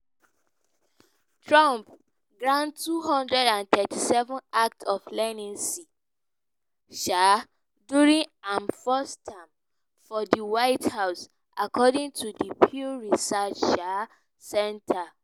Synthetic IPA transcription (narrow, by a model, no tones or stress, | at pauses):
tʰɹɔ̃mp̚ | ɡɹãntːuɦɔ̃ndɹɛdãnt̪ɛtʰisɛvɔ̃nak̚tʰɔflɛnĩnsi | ʃa | duɹĩŋãnfɔstʰːãɪ̃m | fɔdiwaɪthaʊs | ʔakʰɔdĩŋtʰudipʰjuɹisat͡ʃʃa | sɛ̃ntʰa